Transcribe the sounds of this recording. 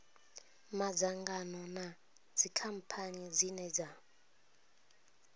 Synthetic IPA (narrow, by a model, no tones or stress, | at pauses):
mad͡zaŋɡanɔna | d͡zikʰam̩pʰanid͡zinɛd͡za